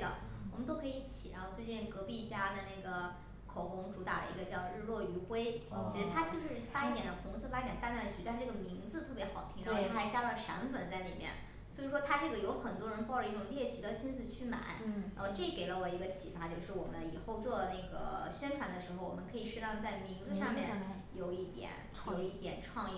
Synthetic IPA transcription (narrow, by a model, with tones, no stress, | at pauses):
d̪ə̰˩ | wwɔ˨˩mə˦nt̪o˥ʊkʰɤ˧˥i˧˥t͡ɕʰi̥˨˩ɻa˧˥xo˥˧t͡swe˥˧t͡ɕjɛ˥˩nkɤ˧˥pi˥˩t͡ɕja˥d̪ə˨ne˥˩ɪɡə˩ | kʰo˨˩ʊkʊ˧˥ŋʈ͡ʂu˧˥t̪a̰˨˩lə̰˧ḭ˧˥ɡə˧t͡ɕjɑ˥˧ʊɻ̩˥˧lwɔ˥˩y˧˥xwe˥ɪt͡ɕʰi˧˥ʂɻ̩˧˥t̪ʰa˥t͡ɕjo˥˧ʊʂɻ̩˥˩fa˥i˥˩njɛ˧˥˩nd̪ə˧xʊ˧˥ŋsʰɤ˥˧fa˥i˥˩jɛ˨˩nt̪a˥˧na˥˩t͡ɕʰy˥˩t̪ʂ̩˥˧ʈ͡ʂɤ˥˩ɡə˩mi˧˥ŋd͡zɹ̩˧t̪ʰɤ˥˩pjɛ˧˥xɑ˨˩ʊt̪ʰi˧˥ŋ˥˧˩i˥xa˧˥ɪt͡ɕja˥lə˨ʂa̰˧˥nfə˨˩nt͡sa˥˩ɪlḭ˨˩mjɛ̰˥˧˩n | swɔ˧˥i˨˩ʂwɔ˥t̪ʰa˥ʈ͡ʂɤ˥˩ɡə˩jo˧˥ʊxə˨˩nt̪wɔ˥ɻə˧˥npɑ˥˩ʊʈ͡ʂə˧i˥˩ʈ͡ʂʊ˨˩ŋljɛ˥˩t͡ɕʰi˧˥d̪ə˧ɕi˥nsɹ̩˧˩t͡ɕʰy˥ma̰˨˩˦nʔə˧ʈ͡ʂɤ˥˩ke˧˩ɪlə˦wɔ˨˩i˧˥ɡə˧t͡ɕʰi˧˩fa˧˥t͡ɕjo˥˧ʊʂɻ̩˥˩wɔ̰˨˩mə˦nḭ˨˩xo˥˧ʊt͡swɔ˥˧˩ne˥˩ɪɡə̰˩ɕɥɛ˥nʈ͡ʂʰwa˧˥nd̪ə˧ʂɻ̩˧˥xo˧ʊwɔ˨˩mə˦nkʰɤ˧˥i˨˩ʂɻ̩˥˧˥t̪ɑ˥˧ŋt͡sa˥˩ɪmi˧˥ŋd͡zɹ̩˧ʂɑ˥˧ŋmjɛ̰˥˩n | jo˨˩ʊi˥˩t̪jɛ̰˨˩˦n | jo˨˧˩ʊi˥˩t̪jɛ̰˨˩nʈ͡ʂʰwɑ˥˧ŋi˥˩